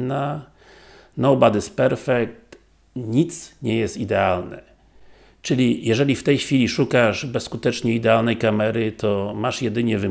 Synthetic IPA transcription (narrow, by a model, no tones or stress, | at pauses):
na | nɔwbad̪ɘspɛɾfɛk̚t̪ | ɲit̪sɲɛjɛst̪id̪ɛalnɛ̰ | t͡ʂɘlʲijɛʐɛlʲift̪ɛjxfʲilʲiʂukaʂbɛsːkut̪ɛt͡ʂɲɛid̪ɛalnɛjkamɛɾɘt̪ɔmaʂjɛd̪ɘɲɛvɘ